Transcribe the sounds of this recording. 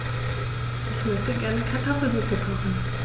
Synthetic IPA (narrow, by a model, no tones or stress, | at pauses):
ʔɛçmœçtəɡɛɐnəkʰaɐtʰɔfl̩zutəkʰɔχn̩